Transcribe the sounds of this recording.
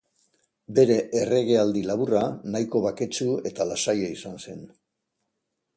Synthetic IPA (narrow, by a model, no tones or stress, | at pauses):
be̞ɾe̞ʔere̞ɣ̞e̞ald̪ilaβuranajko̞βake̞t͡ʃue̞t̪alasajaisanse̞n